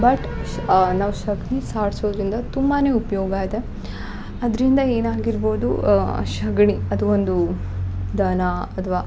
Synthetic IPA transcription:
bɐʈ | naːʋuʃɐɡɳisaːɾsoːd̪ɐɾind̪ɐt̪umbaneːupɐjoːɡaːid̪e̞ | ɐd̪ɐɾind̪ɐe̞ːnaːɡiɾboːd̪ṵʃɐɡɳiɐd̪uond̪u | d̪ɐnaɐt̪ʰʋaː

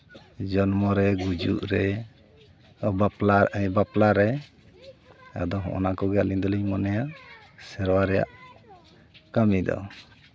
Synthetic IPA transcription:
d͡ʒɔnmɔɾɛɡud͡ʒṵʔɾɛ | alabaplaɾɛ | a̰d̪ɔɦɔ̰̃ʔɔnakɔɡɛaliɲd̪ɔliɲmɔnɛja | sɛɾwaɾɛja̰ʔ | kamid̪ɔ̰

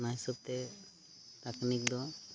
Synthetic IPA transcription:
najsub̚t̪ɛ | t̪aknikd̪ɔ

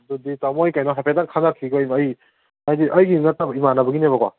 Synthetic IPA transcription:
duditamɔjkajnaɦapetaŋkʰanakʰiɡɔjmːj | ajdiʔɐjɡinatabimanabɯɡinebakwa

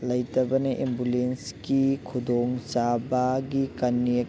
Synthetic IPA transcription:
lɐjtɐbɐneʔimbulenskikʰud̪ʱɔŋsabaɡikanːie

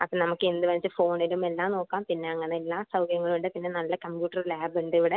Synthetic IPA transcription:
ɐpːoːnɐmukːɨend̪ɨʋɐnt͡ɕːɨfo̞ːɳilume̞lːaːmno̞ːkːaːmpinːe̞ɐŋːɐneelːaːsɐwɡɐɾɐŋːɐɭuɳɖɨpinːenɐlːɐkɐmpjuːʈːɐrlaːbuɳɖiʋiɽe

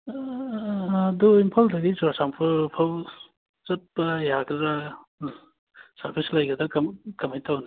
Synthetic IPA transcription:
duimpʰaldɐɡisuɾasaŋpʰɯpʰaw | t͡ʃɐt̚pɐjaɡɾa | sɐɾpʰislɐjɡɐdɐkɐmkɐmajtawni

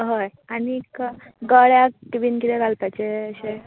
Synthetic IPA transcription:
ɦoj | anik | ɡəɭjakibinkit̪eɡalpajt͡ɕeəɕe

